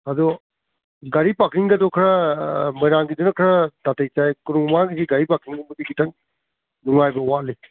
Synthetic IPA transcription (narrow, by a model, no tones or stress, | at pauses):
ɐdɔ | ɡɐɾipakɾiŋɡɐdɔkʰɾɐmɐjɾaŋɡidunɐkʰɾɐdatejt͡ʃajkuɾuŋmaɡisiɡaɾipakiŋɡumbɐdiɡitʰɐŋ | nuŋajbɐwali